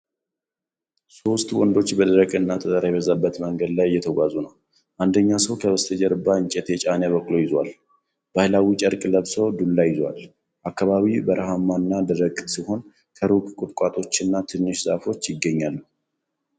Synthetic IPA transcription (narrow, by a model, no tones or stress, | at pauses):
so̞st̪wɔnd̪o̞t͡ʃːbəd̪əɾəkʼɨnːat̪ʰət̪ʼəɾajɛβəzabːət̪məŋɡəd̪lajjɛt̪ʰəɡʷazunəw | ʔand̪əɲːasəwkʰəβəst̪ʰəd͡ʒɛɾɨbːaɨɲt͡ʃʼɛt̪ʰɛt͡ʃʼanjaβəkːlo̞jɪzwal | b̥ahlawit͡ʃʼəɾkʼləβsəwd̪ulːajɪzwa̰l | ʔakːaβaβibəɾəɦamːanːad̪əɾəkʼsiho̞n | kʰəɾukʼkʼʊt̪ʼkʷʼat̪ʼo̞t͡ʃːɨnːat̪ʰɨnːɨʃza̰fo̞t͡ʃːjɪɡːəɲːalːu